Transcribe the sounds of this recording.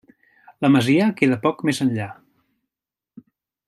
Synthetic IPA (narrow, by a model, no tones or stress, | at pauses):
ləməziəkeðəpɔkmezənʎa